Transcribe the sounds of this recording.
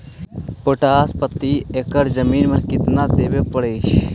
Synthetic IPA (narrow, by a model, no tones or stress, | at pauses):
poʈaːspət̪ːiekəɾzəmiːnmənkɪt̪nad̪eːbepəɽeːʃ